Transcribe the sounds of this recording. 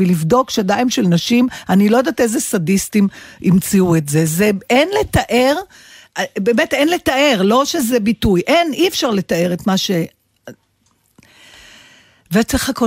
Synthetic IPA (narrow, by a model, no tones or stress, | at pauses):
ilivdo̞kʃadaimʃelnaʃimanilojd̪aːtezesadistimʔimt͡siuetzezeenletaʔe̞ʁ | beːmetenle̞taʔe̞ʁlo̞ʃezebitujʔe̞niefʃaʁle̞tae̞ʁetmaʃe | veett͡seχako